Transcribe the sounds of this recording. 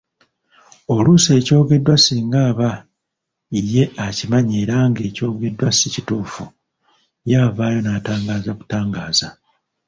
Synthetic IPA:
o̞luse̞ːco̞ːɡe̞dwasiːŋɡaːβa | ije̞acimaɲe̞ːɾaːŋɡe̞ːco̞ːɡe̞dwasicituːfu | jaːvaːjo̞naːtaːŋɡaːzaku̥taːŋɡaːza

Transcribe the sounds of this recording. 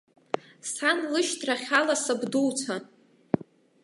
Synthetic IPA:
sanlɨʃtʰraχʲalasɨbduwt͡sʷʰa

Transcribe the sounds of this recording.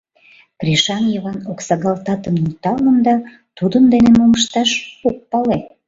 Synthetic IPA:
kriʃɑnjəβɑnoksɑɣɑlt̪ɑt̪əmnut̪ɑlənd̪ɑ | t̪ud̪ənd̪enemoməʃt̪ɑʃok̚pɑle

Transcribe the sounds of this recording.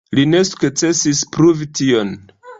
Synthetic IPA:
line̞su̥kt͡se̞sispɾuvition

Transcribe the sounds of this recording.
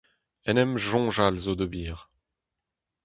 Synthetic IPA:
ɛnɛmʒɔ̃ʒalzod̪əbiːʁ

